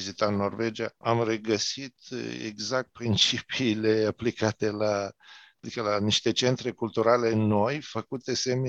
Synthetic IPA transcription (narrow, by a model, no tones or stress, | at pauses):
izit̪anːo̞rve̞d͡ʒiaamre̞ɡəsit̪ḛɡzak̚t̪̚pɾint͡ʃipiːle̞aplikat̪e̞lad̪ikəlaniʃt̪e̞t͡ʃe̞nt̪ɾe̞kult̪uɾale̞ɨnːo̞jfəkut̪e̞se̞me